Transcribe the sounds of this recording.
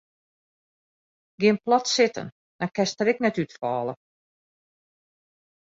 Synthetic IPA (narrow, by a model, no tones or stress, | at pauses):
ɡɪənplɔtsɪtʰə̰n | d̥ankɛstəɾɪknɛtytfɔːlˠə̰